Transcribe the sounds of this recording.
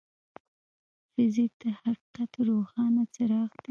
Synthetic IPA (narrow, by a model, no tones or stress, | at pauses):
fɪzɪk̚d̪̥əhaqi̥qat̪ɾoxɑnat͡səɾɑxd̪i